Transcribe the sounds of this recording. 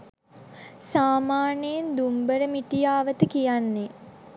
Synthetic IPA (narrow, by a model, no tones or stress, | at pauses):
saːmaːnejnd̪umbəɾəmiʈijaːʋət̪əkijanːe